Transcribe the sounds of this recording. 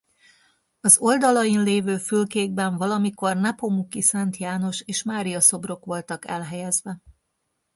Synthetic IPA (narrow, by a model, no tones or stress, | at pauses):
ɒzo̞ld̪ɒlɒjinleːvøːfylkeːɡ̚bɛɱvɒlɒmiko̞rnɛpomukisɛnt̪jaːno̞ʃeːʃmaːɾijɒso̞bro̞kʋo̞lt̪ɒkɛ̰lɦɛjɛzʋɛ